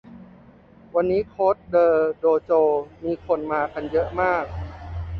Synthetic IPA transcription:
wa˧nːiː˦˥kʰoː˦˥t̪̚dɤː˧doː˧t͡ɕoː˧miː˧kʰo˧nmaː˧ka˧njɤ˦˥ʔmaː˥˩k̚

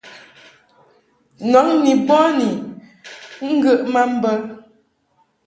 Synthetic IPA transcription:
nɔ˨˦ŋni˨bɔ˦ni˨ | ŋ̩˦ɡə˦ʔma˦m̩˦bə˦

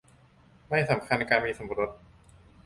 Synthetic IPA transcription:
ma˥˩jsa˩˦mkʰa˧na˧jkaː˧nmiː˧so˩˦m˧ɾo˦˥t̪̚

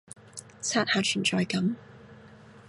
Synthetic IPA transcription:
t͡sʰaː˥t̚haː˨˧t͡ʃʰy˨˩nt͡sɔː˨˧jkɐ˨˥m

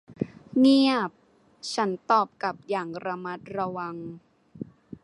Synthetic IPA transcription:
ŋi˥˩əp̚ | t͡ɕʰa˦˥nt̪ɔː˨˩p̚ka˨˩p̚jaː˨˩ŋɾa˧ma˦˥t̪̚ɾa˧wa˧ŋ

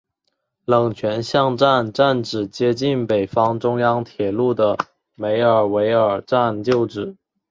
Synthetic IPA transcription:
lɤ˨˩ŋt͡ɕʰɥɛ˧˥nɕjɑ˥˧ŋʈ͡ʂa˥˧nʈ͡ʂa˥˩nʈ͡ʂɻ̩˨˩t͡ɕjɛ˥t͡ɕi˥˩npe˨˩ɪfɑ˥ŋʈ͡ʂʊ˥ŋjɑ˥ŋt̪ʰjɛ˨˩lu˥˩d̪ə˩ | me˧˥ɪə˞˨˩we˧˥ɪə˞˨˩ʈ͡ʂa˥˧nt͡ɕjo˥˩ʊʈ͡ʂɻ̩˨˩˦

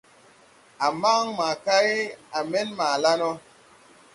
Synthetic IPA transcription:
a˨ma˦ŋma˨ka˦e˦a˨mɛ˦nma˨la˦nɔ˦

